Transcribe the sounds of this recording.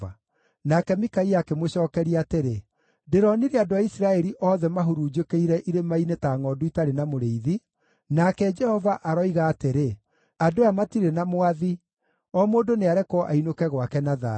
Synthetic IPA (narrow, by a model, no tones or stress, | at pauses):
a | nakɛmikaiakemoɕɔːkɛɾiateɾe | deɾɔniɾeadoaisiɾaɛɾiʔɔːðɛmaɦuɾud͡ʒekeiɾɛʔiɾemainetaŋɔduitaɾenamoɾeiði | nakɛd͡ʒɛhɔvaʔaɾɔiɣaːteɾe | adoamatiɾenamoaði | ɔmoːdoneaɾɛkɔʔainokɛɣwakɛnaða̰